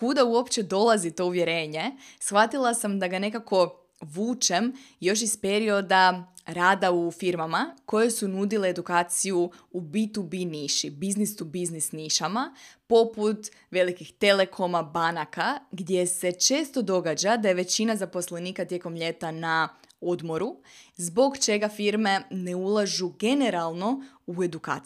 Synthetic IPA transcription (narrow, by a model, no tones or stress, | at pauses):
kud̪auo̞pt͡ʃe̞d̪o̞lˠazit̪o̞uʋje̞ɾe̞ːɲe̞sxʋat̪ilˠasamd̪aɡane̞kako̞ | ʋuːt͡ʃem | jo̞ʃ̬ispe̞ɾio̞d̪aɾaːd̪aufiɾmamako̞je̞sunud̪ileːd̪ukaːt̪sijuubit̪ubiniʃibiznisubiznisniʃamapo̞put̪ | ʋe̞likixt̪e̞le̞kʰo̞mabanakaɡd̪je̞se̞t͡ʃe̞ːst̪o̞d̪o̞ɡad͡ʑad̪aje̞ʋe̞t͡ɕinazaposleniːkat̪je̞ko̞mʎe̞t̪anao̞d̪mo̞ɾuzbo̞ɡt͡ʃe̞ɡafiɾme̞ne̞ulˠaʒuɡe̞ne̞ɾalˠno̞ue̞d̪uka̰ː